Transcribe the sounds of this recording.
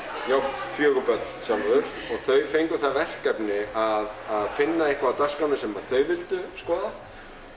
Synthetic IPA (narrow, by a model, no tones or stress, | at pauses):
jaːwfjœːɣʏpœt̪l̥samaðʏɾ̥ | ɔɣθœɥfejŋkʏθaðvɛr̥kɛpnɪaðaðfɪnːaehkvaːwt̪ḁskanɪsɛmpaːɾθœɥvɪlt̪ʏskɔːða